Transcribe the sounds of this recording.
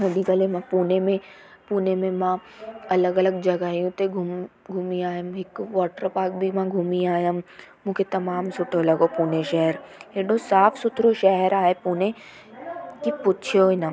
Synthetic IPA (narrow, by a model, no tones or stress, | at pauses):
ɦɐɗikəlemãpuːnemẽpuːnemẽmã | ɐləɡɐləɡd͡ʒɐɡaijũt̪eɡʱum | ɡʱumiaːjãmɦɪkʋɔːʈəɾpaːk̚bʱimãɡʱumiaːjammũːkʰet̪ɐmaːmsʊʈʰolɐɡopuːneʃɛɦəɾɦeːɗosaːfsʊt̪ʰɾoʃɛɦəɾaːɦepuːne | kipʊt͡ʃʰijoina